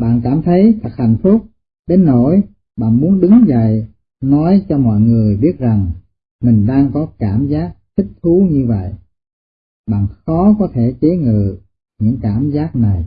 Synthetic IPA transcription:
ɓa̰ː˧˨nkaː˧˩mt̪ʰə˨˦jt̪ʰə˨˩k̚ha˧˩jŋ̟fʊ˦˥k͡p̚ | ɗe˨˦nːo˧˩j | ɓa̰ː˧˨nmu˨˦ənɗɨ˨˦ŋzə̰˧˨j | nɔ˨˦jt͡ɕɔ˧mɔ̰˧˨jŋɨ˨˩əjɓi˦˥ət̚za˨˩ŋ | mï˨˩ŋ̟ɗaː˧ŋkɔ˨˦kaː˧˩mzaː˦˥k̚t̪ʰï˦˥k̚t̪ʰu˨˦ɲɨ˧və̰˧˨jʔ | ɓa̰ː˧˨nxɔ˨˦kɔ˨˦t̪ʰe˧˩t͡ɕe˨˦ŋɨ̰˧˨ | ɲɨ̰˧˥ŋkaː˧˩mzaː˦˥k̚na˨˩j

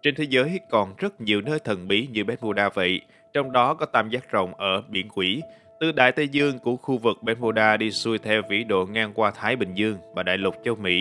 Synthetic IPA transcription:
t͡ɕe˧nt̪ʰe˨˦zəː˨˦jkɔ˨˩nzə˦˥t̚ɲi˨˩əwnəː˧jt̪ʰə˨˩nɓi˨˦ɲɨ˧ɓɛ˨˦˥nmu˧ɗaː˧və̰˧˨j | t͡ɕɔ˧wŋ͡mɗɔ˨˦kɔ˨˦t̪aː˧mzaː˦˥t̚zə̰˧˨wŋ͡mʔəː˧˩ɓḭ˧˩ənkwi˧˩˥ | t̪ɨ˨˩ɗa̰ː˧˨jt̪ə˧zɨ˧əŋku˧˩əxu˧vɨ˨˩k̚ɓɛ˨˦nmu˧ɗaː˧ɗi˧su˧jt̪ʰɛ˧wvḭ˧˥ɗo̰˧˨ŋaː˧ŋkwaː˧t̪ʰaː˨˦jɓï˨˩ŋ̟zɨ˧əŋmaː˨˩ɗa̰ː˧˨jlə˨˩k͡p̚t͡ɕə˧wmḭ˧˥

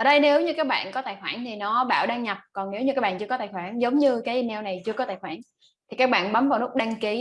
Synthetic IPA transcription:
əː˨˩ɗə˧jne˨˦wɲɨ˧kaː˦˥k̚ɓa̰ː˧˨nkɔ˨˦t̪aː˧˩jxwaː˧˩nt̪ʰi˨˩nɔ˨˦ɓa̰ː˧˩˨wɗaː˧ŋɲa˨˩p̚kɔ˨˩nne˨˦wɲɨ˧kaː˦˥k̚ɓ̰ːnt͡ɕɨ˧əkɔ˨˦t̪aː˧˨˩jxwaː˧˩nzə˨˦wŋ͡mɲɨ˧kaː˨˦ʔi˧nɛ˧wna˨˩jt͡ɕɨ˧əkɔ˨˦t̪aː˧˩jxwaː˧˩n | t̪ʰi˨˩kaː˦˥k̚ɓa̰ː˧˨nɓa˨˦mvaː˨˩wnu˦˥k̚ɗaː˧ŋki˨˦

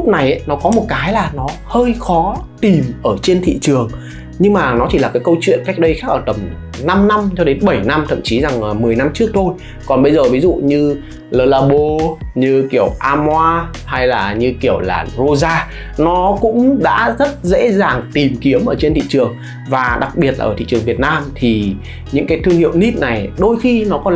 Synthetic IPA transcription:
ʊ˦˥k͡p̚na˨˩jʔnɔ˨˦kɔ˨˦mo˨˩t̚kaː˨˦jlaː˨˩nɔ˨˦həː˧jxɔ˨˦t̪i˨˩mʔəː˧˩t͡ɕe˧nt̪ʰḭ˧˨t͡ɕɨ˨˩əŋ | ɲɨ˧ŋmaː˨˩nɔ˨˦t͡ɕi˧˩laː˨˩kaː˨˦jkə˧wt͡ɕwḭ˧˨ənka˦˥jk̟̚ɗə˧jxaː˦˥k̚ʔəː˧˩t̪ə˨˩m | na˧mna˧mt͡ɕɔ˧ɗe˨˦nɓə˧˩jna˧mt̪ʰə̰˧˨mt͡ɕi˨˦za˨˩ŋʔmɨ˨˩əjna˧mt͡ɕɨ˦˥ək̚t̪ʰo˧j | kɔ˨˩nɓə˧jzəː˨˩vi˨˦zṵ˧˨ɲɨ˧ | ləː˧laː˧ɓo˧ɲɨ˧ki˧˩əwʔaː˧mwaː˧ | ha˧jlaː˨˩ɲɨ˧ki˧˩əwla̰ː˨˩zo˧zaː˧ | nɔ˨˦kʊ̰˧˥ŋ͡mɗa̰ː˧˥zə˦˥t̚zḛ˧˥zaː˨˩ŋt̪i˨˩mki˨˦əmʔəː˧˩t͡ɕe˧nt̪ḭ˧˨t͡ɕɨ˨˩əŋ | vaː˨˩ɗa˨˩k̚ɓi˨˩ət̚la̰ː˨˩ʔəː˧˩t̪i˧˨t͡ɕɨ˨˩əŋvi˨˩ət̚naː˧mt̪ʰi˨˩ | ɲɨ̰˧˥ŋkaː˨˦jt̪ɨ˧əŋhḭ˧˨əwni˦˥t̚na˨˩jɗo˧jxi˧nɔ˨˦kɔ˨˦

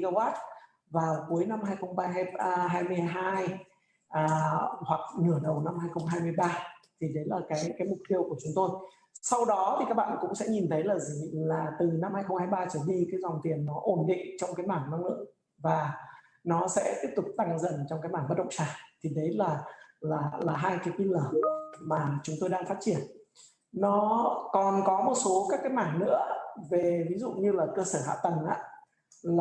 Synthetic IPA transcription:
ɣa˧waː˦˥t̚ | vaː˨˩wku˨˦əjna˧mɦaː˧jxə˧wŋ͡mɓaː˧ɦaː˧jmɨ˧əjɦaː˧j | ʔaː˧˩hwa˨˩k̚ŋɨ˧˩əɗə˨˩wna˧mhaː˧jxə˧wŋ͡mɦaː˧jmɨ˧əjɓaː˧t̪ʰi˨˩ɗə˨˦laː˨˩kaː˨˦jkaː˨˦jmʊ˨˩k͡p̚t̪i˧əwku˧˩ət͡ɕʊ˨˦ŋ͡mt̪o˧j | sa˧wɗɔ˨˦t̪ʰi˨˩kaː˦˥k̚ɓa̰ː˧˨nkʊ̰˧˥ŋ͡msɛ̰˧˥ɲi˨˩nt̪ʰə˨˦jlaː˨˩zi˨˩laː˨˩t̪ɨ˨˩na˧mhaː˧jxə˧wŋ͡mhaː˧jɓaː˧t͡ɕəː˧˩ɗi˧kaː˨˦jza˨˩wŋ͡mt̪i˨˩ənːɔ˨˦ʔo˧˩nɗḭ˧˨ŋ̟t͡ɕɔ˧wŋ͡mkaː˨˦jmaː˧˩ŋna˧ŋ͡mlɨ̰˧˨əŋ | vaː˨˩ | nɔ˨˦sɛ̰˧˥t̪i˦˥əp̚t̪ʊ˨˩k͡p̚t̪a˧ŋzə˧˩nt͡ɕɔ˧wŋ͡mkaː˨˦jmaː˧˩ŋmə˦˥ɗə̰˧˨ŋ͡msaː˧˩t̪ʰi˨˩ɗə˨˦jlaː˨˩laː˨˩laː˨˩ɦaː˧jkaː˨˦jki˧ləː˧˩maː˨˩t͡ɕʊ˨˦ŋ͡mt̪o˧jɗaː˧ŋfaː˦˥t̚t͡ɕi˧˩ənː | ɔ˨˦kɔ˨˩nkɔ˨˦mo˨˩t̚so˨˦kaː˦˥kːaː˨˦jmaː˧˩ŋnɨ̰˧˥əve˨˩vi˨˦zṵ˧˨ɲɨ˧laː˨˩kəː˧səː˧˩ha̰ː˧˨t̪ə˨˩ŋʔa̰ː˧˨ | l

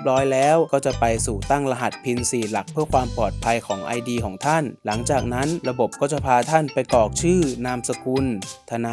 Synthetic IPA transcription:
p̚ɾɔː˦˥jlɛː˦˥wkɔː˥˩t͡ɕa˨˩pa˧jsuː˨˩t̪a˥˩ŋla˧ɦa˨˩t̪̚pʰi˧nsiː˨˩la˨˩k̚pʰɯ˥˩əkʰwaː˧mpɔː˨˩t̪̚pʰa˧jkʰɔː˩˦ŋʔa̰˧jdiː˧kʰɔː˩˦ŋt̪ʰa˥˩nla˩˦ŋt͡ɕaː˨˩k̚na˦˥nɾa˧bo˨˩p̚kɔː˥˩t͡ɕa˨˩pʰaː˧t̪ʰa˥˩npa˧jkɔː˨˩k̚t͡ɕʰɯː˥˩naː˧msa˧kʰu˧nt̪ʰa˧na˧

